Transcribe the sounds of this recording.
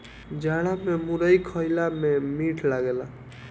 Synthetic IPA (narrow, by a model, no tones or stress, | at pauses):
d͡ʒaɽamemuɾəjkʰəjlamemiʈʰlaɡela